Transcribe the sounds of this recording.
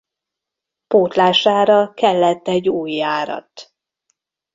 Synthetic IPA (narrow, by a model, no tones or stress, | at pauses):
poːt̪laːʃaːɾɒkɛlːɛt̪ːɛɟːuːjaːɾɒ̰t̪